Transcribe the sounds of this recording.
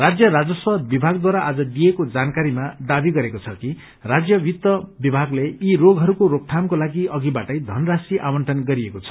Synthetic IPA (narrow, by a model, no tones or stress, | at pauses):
rad͡zjʌɾad͡zʌswʌbibʱaɡ̚d̪waɾaʔad͡zʌd̪ijekod͡zankaɾimad̪abiɡʌɾekot͡sʰʌki | rad͡zjʌbit̪ːʌbibʱaɡleiɾoɡɦʌɾukoɾok̚ʈʰamkolaɡiʌɡibaʈʌjd̪ʱʌnrasiʔamʌɳʈʰʌnɡʌɾiekot͡sʰʌ̥